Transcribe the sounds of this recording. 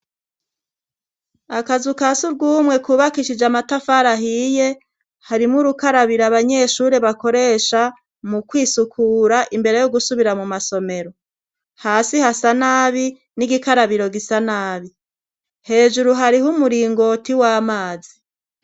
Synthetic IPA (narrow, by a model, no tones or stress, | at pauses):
akazukasuɾɡuːmŋe̞kuːβakiʃid͡ʒamatafaɾaɦije̞ | haɾimŋuɾukaɾaβiɾaβaɲe̞ʃuɾe̞βako̞ɾe̞ʃa | mukwiːsukʰuːɾaʔimbe̞ɾe̞joɡusuβiɾamumaso̞me̞ɾo̞ | haːsihasanaːβi | niɡikaɾaβiɾo̞ɡisanaːβi | he̞ːʒuɾuɦaɾihumuɾiːŋɡo̞tiwaːmaːzi